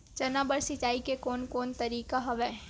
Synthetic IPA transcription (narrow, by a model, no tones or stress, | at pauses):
t͡ʃɐnabəɾsɪt͡ʃaːikekɔːnkoːnt̪ɐɾiːkaɦɐʋɛː